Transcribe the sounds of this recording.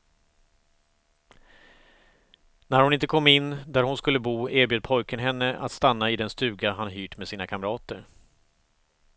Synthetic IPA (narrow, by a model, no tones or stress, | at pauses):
næɾhʊnɪnt̪əkʰɔmːɪnːd̪æɾhʊnskɵlːəbuːeːɾbjøːd̪̚pʰɔjkənɦɛnːəʔa̰t̪st̪anːaɪd̪ɛnst̪ʉ̟ːɡaɦanɦyːʈmesiːnakʰamɾɑːt̪əɾ